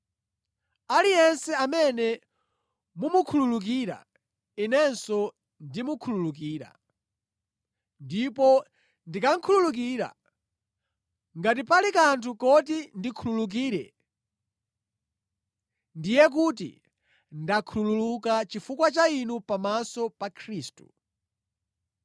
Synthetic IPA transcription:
alijɛnsɛamɛnɛ | mumukʰululuk̬iːɾa̰ | inɛnsɔ | ndimukʰululuk̬iːɾa̰ | ndipɔ | ndikaŋ̩kʰululuk̬iːɾa̰ | ŋɡat̬ipalikantʰukɔt̬indikʰululuk̬iːɾɛ̰ | ndijɛk̬ut̬ḭ | ndakʰulululukat͡ʃifukwat͡ʃainupamasɔpakʰɾiːstu̥̰

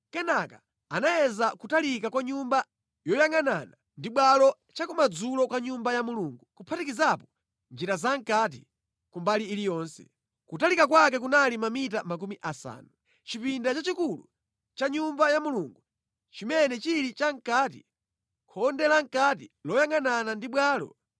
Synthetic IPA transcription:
kɛnaka | anajɛzakutalikakwaɲumba | jɔjaŋanana | ndiɓwalɔ | t͡ʃakumad͡zulɔkaɲumbajamuluŋɡukupʰatikizapɔ | nd͡ʒiɾazaŋkat̬ḭ | kumbaliːlijɔːnsɛ̥̰ | kutalikak̬wak̬ɛk̬unalimamitamak̬umiʔasa̰ːnu | t͡ʃipindat͡ʃat͡ʃikulṵ | t͡ʃaɲumbajamuluŋɡu | t͡ʃimɛnɛt͡ʃilit͡ʃaŋ̩kaːt̬ḭ | kʰɔndɛlaŋ̩kat̬ilɔjaŋananandiɓwaːlɔ̰

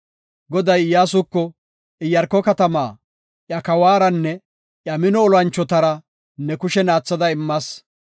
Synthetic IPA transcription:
ɡɔd̪ɐjjaːsʊkːɔ | ɪjɐɾkːɔkɐt̪ɐmaː | ʔjɐkɐwaːɾɐnːɛ | ʔjɐmɪnɔːlɐnt͡ʃːɔt̪ɐɾɐ | nɛkʊʃɛnaːt͡sːɐd̪ɐɪmːɐs

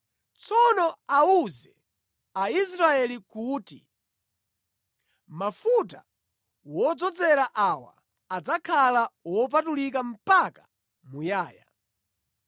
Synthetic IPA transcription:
t͡sɔnɔauzɛ | ais̬ɾaɛlikuːti | mafuta | wɔd͡zɔd͡zɛɾaʔawa̰ː | d͡zakʰalawɔp̬atulikam̩pakḁ | mujaːja

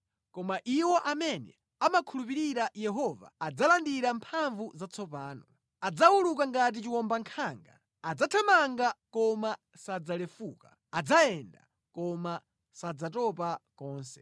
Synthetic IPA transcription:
kɔmaʔiwɔʔamɛnɛ̰ | amakʰulupiɾiɾajɛɦɔva̰ːd͡zalandiɾampʰaɱvuzat͡sʰɔpaːnɔ | ad͡zawulukaŋɡat̬it͡ʃiwɔmbaŋkʰaːŋɡa̰ | ad͡zatʰamaŋɡakɔma | sad͡zalɛfuka | ad͡zaɛnda̰ | kɔma | sad͡zatɔpakɔːnsɛ̥

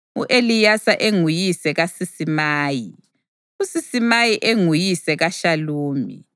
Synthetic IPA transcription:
ṵʔelijasaʔeŋujisɛɣasisimaːji | usisimajiʔeŋujisɛɣaʃaluːmḭ

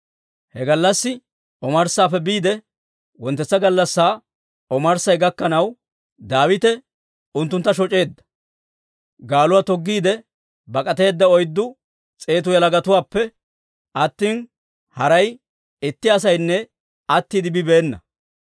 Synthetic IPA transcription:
hɛɡɐlːɐsːɪ | ɔmɐɾsaːpːɛbiːd̪ɛ | wɔnt̪ːɛt͡sːɐɡɐlːɐsːaː | ɔmɐɾsɐjɡɐkːɐnɐw | d̪aːwɪt̪ɛ | ʊnt̪ːʊnt̪ːɐʃɔt͡ʃʼe̞ːd̪ːɐ̥ | ɡaːlʊwaːt̪ɔɡːiːd̪ɛ | bɐkʼɐt̪e̞ːd̪ːɐɔjd̪ːʊ | t͡sʼe̞ːt̪ʊjɐlɐɡɐt̪ʊwaːpːɛ | ɐt̪ːiːn | hɐɾɐj | ɪt̪ːɪɐs̬ɐjnːɛ | ɐt̪ːiːd̪ɪbɪbe̞ːnːɐ̰

